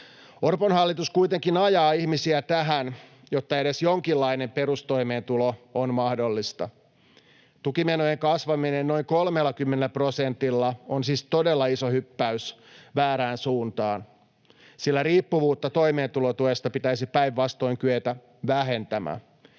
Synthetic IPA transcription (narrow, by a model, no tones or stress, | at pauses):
orponhɑlːit̪uskujt̪eŋkinɑjɑːihmisiæt̪æɦæn | jot̪ːɑeɾesjoŋkilːɑinemperust̪o̞imeːnt̪uloonmɑhdolːist̪ɑ | t̪ukimenojeŋkɑsʋɑminenno̞iŋkolmelːɑkymːenelːæprosent̪ilːɑonsiːst̪odelːɑisohypːæys | ʋæːɾæːnsuːnt̪ɑːn | silːæɾiːpːuʋuːt̪ːɑt̪o̞imeːnt̪ulot̪uest̪ɑpit̪æisipæiʋːɑst̪o̞iŋkyøt̪æ | ʋæɦe̞nt̪æmæ̰